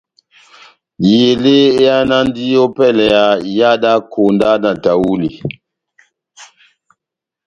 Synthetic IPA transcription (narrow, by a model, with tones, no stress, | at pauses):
je˨le˦e˦a˦na˦ndi˦o˦pɛ˦lɛ˨ja˨ja˦da˦kʰo˨nda˦na˨ta˨wu˦li˨